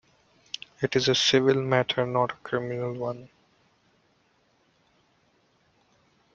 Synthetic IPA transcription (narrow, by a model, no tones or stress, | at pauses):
ɪʈɪzəsɪʋɪlmæʈʰəɾnɔːʈə̥kʰɾɪmɪnəlwʌ̃n